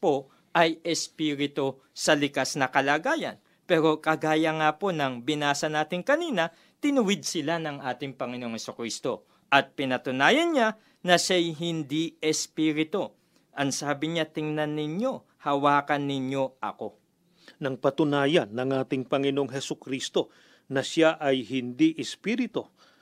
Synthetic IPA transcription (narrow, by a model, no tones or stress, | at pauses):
po̞ | ʔɐjɛspiːɾɪt̪o̞ | sɐlɪkasnɐkɐlaːɡaːjɐ̰n | pɛːɾo̞kɐɡaːjɐŋapo̞nɐŋbɪnaːsɐnaːt̪ɪŋkɐniːnɐ | t̪ɪnʊwɪd̪̚sɪlanɐŋʔaːt̪ɪŋpɐŋɪnoŋhɛsokɾist̪o̞ | ʔɐt̪̚pɪnɐt̪ʊnaːjɐnɲa | nɐʃajɦɪnd̪iɛspiːɾɪt̪o̞ | ʔɐŋsaːbɪɲat̪ɪŋnɐnːɪɲo̞ | hɐwaːkɐnːɪɲjo̞ʔɐ̰ko̞ | nɐŋpɐt̪ʊnaːjɐnːɐŋʔaːt̪ɪŋpɐŋɪno̞ŋɦɛsʊkɾist̪o̞ | nɐʃaʔɐjhɪnd̪iʔɛspiɾɪt̪o̞